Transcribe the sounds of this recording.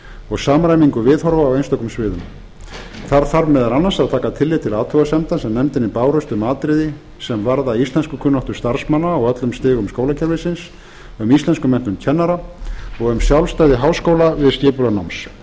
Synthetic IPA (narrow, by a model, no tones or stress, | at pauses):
ɔɣsaːmɾajmiŋkʏvɪːðhɔɾvaːwejnst̪ɔwk̪ʏmsvɪːðʏm | θaɾθaɾmɛðaɾanːansaðt̪ʰaːkat̪ʰɪlːɪt̪ʰɪlaːt̪ʰœɣasɛmt̪ansɛmnɛmt̪ɪnːɪpaːwɾœst̪ʏmaːt̪ɾɪðɪ | sɛmvaɾðaist̪lɛnskʏkʰʏnːɔht̪ʏɾ̥st̪aɾ̥smanːaːɣœt̪lʏmst̪ɪːɣʏmskoːwlacʰɛɾvɪsɪns | ʏmist̪lɛnskʏmɛn̥t̪ʏmcʰɛnːaɾaɔɣʏmsjawlst̪aːjðɪɦawskoːwlavɪðscɪːpʏlanawms